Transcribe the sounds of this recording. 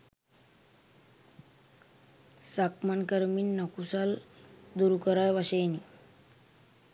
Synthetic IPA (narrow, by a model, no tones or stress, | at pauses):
sakmankəɾmiːnnːəkusald̪uɾukəɾajʋaɕəjni